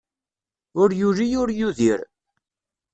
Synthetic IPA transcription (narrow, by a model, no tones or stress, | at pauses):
ʊɾjuɾijʊɾjuðiɾ